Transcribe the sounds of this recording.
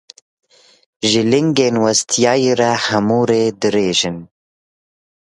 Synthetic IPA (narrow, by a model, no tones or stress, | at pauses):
ʒɨlɪŋɡeːnwɐst̪ʰjɑːjeɾɛhɐmuːɾeːd̪ɨɾeːʒɨn